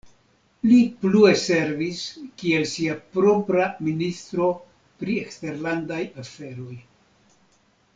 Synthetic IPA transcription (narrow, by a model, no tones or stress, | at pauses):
liplue̞se̞ɾviskie̞lsiapɾo̞pɾaminist̪ɾo̞ | pɾie̞kste̞ɾlandajafe̞ɾo̞j